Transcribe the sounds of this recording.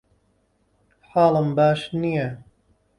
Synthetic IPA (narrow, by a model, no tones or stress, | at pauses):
ħaːlɨmbaːʃnija